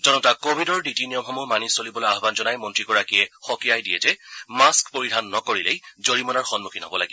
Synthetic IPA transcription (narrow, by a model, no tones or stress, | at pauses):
zɔnɔtakobʱidɔɹditiniɔmxɔmumanisolibɔlojaɦbanzɔnajmɔntɹikɔɹakijɛxɔkijajdijɛtɛmaskpoɹidʱanːɔkoɹilejzoɹimɔnaɹxɔnmukʰinɦɔbɔlaɡi